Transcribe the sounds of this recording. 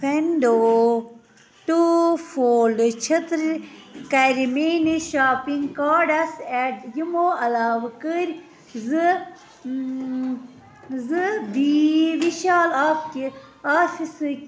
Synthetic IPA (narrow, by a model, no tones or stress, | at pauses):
pʰenɖo | ʈufoːlɖɨt͡ʃʰɐt̪ɾikɐɾimeːniʃaːpiŋɡkaːɖɐsɛʈjimoːɐlaːʋkəɾʲ | zɨ | zɨd̪iʋiʃaːlaːpki | aːfisɨ